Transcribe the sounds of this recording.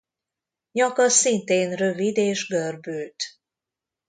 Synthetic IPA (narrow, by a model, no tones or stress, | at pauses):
ɲɒkɒsint̪eːnrø̞vid̪eːʒɡørbyːlt̪